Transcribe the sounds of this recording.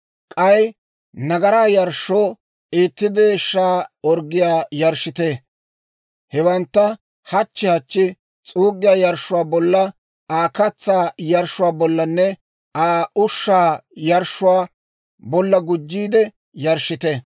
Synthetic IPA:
kʼɐj | nɐɡɐɾaːjɐɾʃːoː | ʔiːt̪ːɪd̪eːʃːaːɔɾɡɪjaːjɐɾʃːɪt̪eː | hɛbɐnt̪ːɐ | hɐt͡ʃːɪhɐt͡ʃːɪ | t͡sʼuːɡːɪjaːjɐɾʃʊwaːbɔlːɐ | aːkɐt͡sːaːjɐɾʃʊwaːbɔlːɐnːɛ | aːʊʃːaːjɐɾʃːʊwaː | bɔlːɐɡʊd͡ʒːiːd̪ɛ | jɐɾʃːɪt̪e

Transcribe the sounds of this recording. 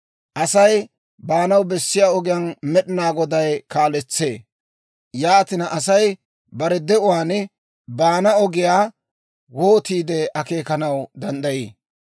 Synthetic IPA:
ʔɐsɐj | baːnɐwbɛsːɪjaːɔɡɪjɐnmɛɗɪnaːɡɔd̪ɐjkaːlɛt͡sːḛː | jaːt̪ɪnɐʔɐsɐj | bɐɾɛd̪ɛʊwaːnɛ | baːnɐɔɡɪjaː | woːt̪iːd̪ɛɐke̞ːkɐnɐwd̪ɐnd̪ɐjḭː

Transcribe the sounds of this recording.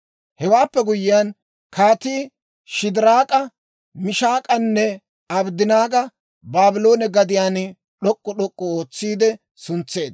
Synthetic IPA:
hɛwaːpːɛɡʊjɪjan | kʰaːt̪iː | ʃɪd̪ɪɾaːkʼɐ | mɪʃaːkʼɐnːɛ | ɐbd̪ɪnaːɡɐ | baːbɪlo̞ːnɛɡɐd̪ɪjaːn | ɗɔkʼːɔɗɔkʼːɔoːt͡sːiːd̪ɛ | sʊnt͡sːe̞ːd̪

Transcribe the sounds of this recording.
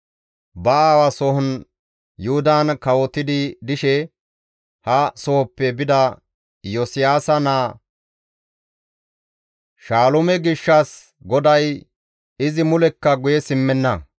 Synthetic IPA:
bɐaːwɐsɔhɔn | jʊhʊd̪ankɐwɔt̪ɪd̪ɪd̪ɪʃɛ | hɐsɔhɔpːɛbɪd̪ɐ | jɔsɪjaːsɐnaː | ʃaːlɔmɛɡɪʃːɐs | ɡɔd̪ɐj | ɪzɪmʊlɛkːɐɡʊjɛsɪmːɛnːɐ

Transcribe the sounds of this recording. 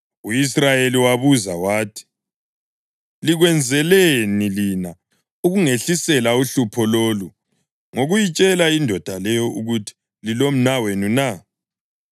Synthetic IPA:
uisrajeliwaβuzawaːtʰi̥ | liɣwɛnd͡zʱɛlenilina | uɣuŋeɬisɛlauɬupʰɔlolu | ŋoɣujit͡ʃʼɛlaindʱɔd̥ʱalɛjɔʔuɣutʰi̥ | lilom̩nawenuna

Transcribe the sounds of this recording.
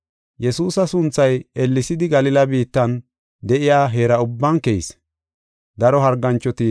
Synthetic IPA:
jɛsuːsɐsʊnt͡sːɐjɛlːɪsɪd̪ɪɡɐlɪlɐbiːt̪ːɐn | d̪ɛʔɪjaːɦe̞ːɾɐʊbːɐnkɛjḭs | d̪ɐɾɔɦɐɾɡːɐnt͡ʃːɔt̪ɪ

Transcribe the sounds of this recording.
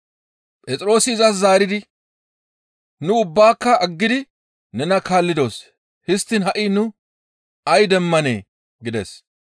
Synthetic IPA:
pʼɛt͡sʼɾo̞ːsɪɪzɐszaːɾɪd̪ɪ | nʊʊbːaːkːɐɐɡːɪd̪ɪ | nɛnɐkaːlːɪd̪o̞ːs | hɪst̪ːɪnɦɐʔɪnʊ | ɐjd̪ɛmːɐneː | ɡɪd̪ɛ̰s

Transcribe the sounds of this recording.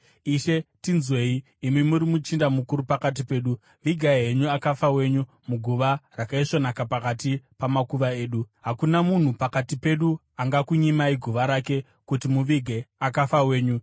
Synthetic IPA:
iʃe̞tinzwe̞iː | mimuɾimut͡ʃindamukuɾupakat̬ipe̞ːɗu | ʋiɡʱaiɦe̞ɲuakafawe̞ɲu | muɡʱuʋarakaiʂo̞nakapakatipamakuʋaeːɗuɦakunamun̤upakatipe̞ɗu | aŋɡakuɲimaiɡʱuʋaɾake̞ | kutimuʋiɡʱe̞akafawe̞ːɲu

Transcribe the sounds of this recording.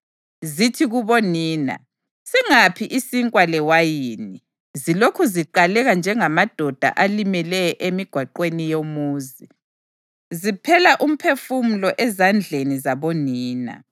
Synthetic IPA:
zitʰiɣuβoniːna̰ | siŋapʰiʔisiŋkʼwalɛwajiːni | zilokʰuziǃalɛɣand͡ʒʱɛŋamad̥ʱɔd̥ʱa̰ʔalimɛlɛjɔʔemiɡ̥ʱwaǃwenijomuːzi | zipʰɛlaʔum̩pʰefumulɔʔɛzand͡ɮʱenizaβoniːna̰

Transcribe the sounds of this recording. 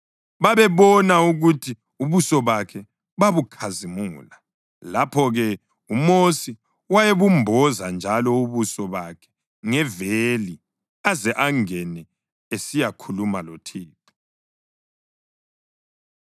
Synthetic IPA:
βaβɛβɔnauɣutʰi | uβusɔβakʰɛ | βaβukʰazimuːla | lapʰɔɣɛ | umosi | wajeβumbʱɔzand͡ʒʱalɔuβusɔβakʰɛ̥ | ŋɛveli | azɛʔaŋɛnɛ | esijakʰulumalotʰiːǃi̥

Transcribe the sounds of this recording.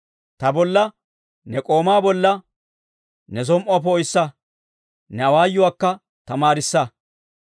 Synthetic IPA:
t̪ɐbɔlːɐ | nɛkʼo̞ːmaːbɔlːɐ | nɛs̬ɔmʔɔap̬ɔɔjsːɐ | nɛɐwaːjːʊwaːkːɐ | t̪ɐmaːɾɪsːɐ

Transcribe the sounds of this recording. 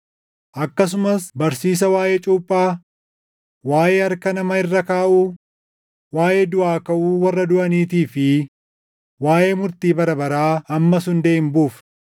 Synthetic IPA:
ʔɐkːɐs̬ʊmɐsbɐɾsiːs̬ɐwaːjeːt͡ʃʼuːpʼːaː | waːʔeːɐɾkɐnɐmɐɪrːɐkaːʔuː | waːʔeːd̪ʊʔaːkɐʔuːwɐrːɐd̪ʊʔɐniːt̪̬iːfɪ | waːʔe̞ːmʊɾt̪iːbɐɾɐbɐɾaːɐmːɐsʊnd̪eːɪmbuːf

